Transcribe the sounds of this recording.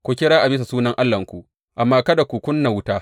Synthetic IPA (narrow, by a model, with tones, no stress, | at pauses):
kʷu˨kʲɪ˦ɽaː˦ʔa˨bɪ˦s̬a˨suː˦nɐ˦ŋʔa˦lːɐ˨ŋkʷu˨ | ʔa˨mːaː˦kɐ˦da˨kʷu˨kʷʊ˦nːa˨wʊ˦taː˦